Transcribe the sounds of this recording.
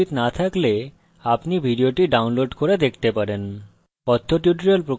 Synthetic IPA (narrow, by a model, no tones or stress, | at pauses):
it̪nat̪ʰakle | apnibʱiɖioʈiɖaunloɖkoɾed̪ek̚ʰt̪epaɾen | pɔt̪ʰːoʈjuʈɾolpɾo